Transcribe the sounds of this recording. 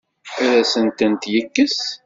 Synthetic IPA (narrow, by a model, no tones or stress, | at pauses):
æɾæsənt̪ənt̪jəkːəs